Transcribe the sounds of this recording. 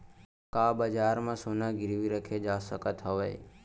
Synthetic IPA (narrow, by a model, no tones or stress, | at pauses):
kaːbəd͡ʒaːɾmãsonãɡɪɾʋiɾəkʰed͡ʒaːsəkət̪ɦəʋeː